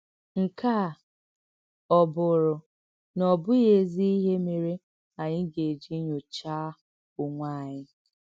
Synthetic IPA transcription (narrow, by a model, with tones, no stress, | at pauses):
ŋ̩˨ka˦˨ | ɔ˨bʊ˨ɾʊ˨ | nɔ˨bʊ˦je˨zi˦i˦ɦe˦me˨ɾe˦ | a˨ɲɪ˦ɡe˨d͡ʒi˦ɲo˨t͡ʃaː˦ | ʊ˨ŋʷa˦˨ɲɪ˦